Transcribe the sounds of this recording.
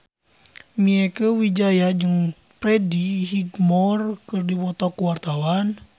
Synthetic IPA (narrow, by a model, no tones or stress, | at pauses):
miɛkəwid͡ʒajad͡ʒɨŋ | pɾɛdihiɡmɔrkɨrdiwɔt̪ɔkuwart̪awan